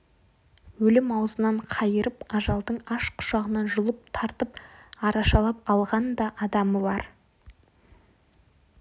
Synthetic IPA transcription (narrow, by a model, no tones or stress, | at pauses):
wɵlɪmɑwzənɑɴqʰɑjəɾəpɑʒɑlˠd̪əɴɑʃqʰʊ̥ʃɑʁənɑnʒʊlˠəp̚t̪ʰɑɾt̪əp̚ɑɾɑʃɑlˠɑp̚ɑlˠʁɑnd̪ɑʔɑd̪ɑməbɑɾ